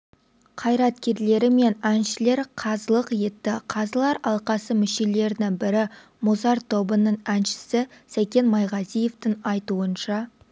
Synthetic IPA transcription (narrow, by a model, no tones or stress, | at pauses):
qʰɑjɾɑt̪kʲe̞ɾle̞ɾɪme̞nænʃɪle̞ɾqʰɑzəlˠəqje̞t̪ːɪqʰɑzəlˠɑɾɑlˠqɑsəmɪʃe̞le̞ɾɪnɪŋbɪɾɪ | mozɑɾt̪ʰo̞bənəɴænʃɪ̥sɪsæjkʲe̞nmɑjʁɑzije̞ft̪ɪŋɑjt̪uənʃɑ